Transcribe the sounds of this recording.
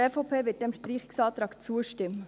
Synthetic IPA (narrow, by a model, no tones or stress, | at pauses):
eːfopʰeːʋɪt̚d̥ɛmʃtɾiːχɪksɑːt̪ɾɑːkt͡suəʃtɪmːə